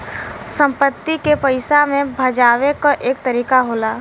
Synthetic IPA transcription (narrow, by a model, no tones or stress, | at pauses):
sə̃mpət̪ːikepəɪsamẽbʱɐd͡ʒaːʋekoʔeːkt̪əɾiːkaɦoːlaː